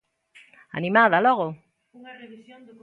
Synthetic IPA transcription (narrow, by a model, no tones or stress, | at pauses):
a̰nĩmaðaloɣo